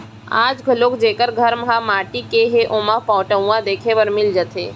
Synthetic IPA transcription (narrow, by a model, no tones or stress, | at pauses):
a̰ːd͡ʒɡʱəloːkd͡ʒeːkəɾɡʱəɾmɦãmaːʈikeɦeʔomãpɔ̃ːʈəw̃ãd̪eːkʰeʋəɾmɪld͡ʒət̪ʰeː